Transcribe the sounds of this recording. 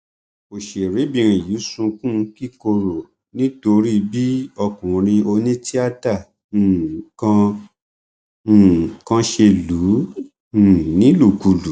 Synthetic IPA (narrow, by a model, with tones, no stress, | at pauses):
o˨ʃe˨ɾe˨˦bĩ˧ɾ̃ĩ˨ju˨˦sũ˧kũ˦˧ki˦ko˧ɾo˨ | nĩ˨˦to˧ɾi˦˧bi˦ɔ˧kũ˨ɾ̃ĩ˧o˧nĩ˦ti˦a˦tã˦˨ | kã˧˨ | kã˧ʃe˧lũ˨˦˨ | nĩ˦lu˦˨ku˨lu˨˦